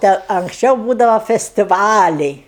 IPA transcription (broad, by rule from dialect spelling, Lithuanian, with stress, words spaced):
ˈtʲɛ ɐŋksʲˈt͡ʃʲɛʊ ˈbuːdɐʋɐ fʲɛsʲtʲɪˈʋɑːlʲɛɪ